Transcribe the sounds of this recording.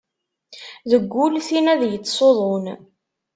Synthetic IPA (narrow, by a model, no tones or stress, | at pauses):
ðəɡʷːʊlθinæðjət͡sːsˤoðˤon